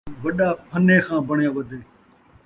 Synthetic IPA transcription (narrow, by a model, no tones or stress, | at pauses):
ʋəɗaːpʰəneːxʰãːbəɳjãːʋəd̪ʱeː